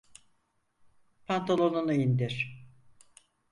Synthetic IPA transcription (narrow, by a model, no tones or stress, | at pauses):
pʰant̪ʰalˠonunɯind̪iɾ̥